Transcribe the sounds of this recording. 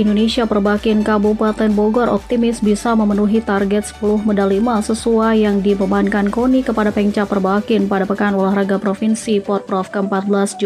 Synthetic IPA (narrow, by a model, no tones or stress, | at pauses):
indonesiapərbakɪnkabupat̪ɛnboɡɔɾʔɔp̚t̪imɪsbisaməmənuɦit̪arɡɛt̪̚sə̥pulʊhmədalimasəsuajaŋdipəmaɦankankonikəpadapɛɲt͡ʃapərbakɪnpadapəkanulahraɡapɾofinsipɔt̪̚pɾɔfkəəmpat̪̚bəlasd͡ʒu